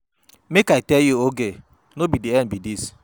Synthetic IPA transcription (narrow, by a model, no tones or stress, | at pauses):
mekaɪtɛljuoɡe | nobidiɛnbidis